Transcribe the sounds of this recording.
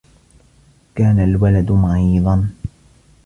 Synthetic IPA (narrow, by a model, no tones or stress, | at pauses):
kaːnalwalad̪maʕiːd̪ˤɑn